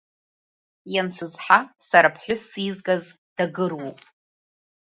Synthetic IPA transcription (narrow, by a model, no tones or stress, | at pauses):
jant͡sʷʰɨzħasaɾapʰħʷᶣʊsizɡaz | d̥aɡɨrwopʼ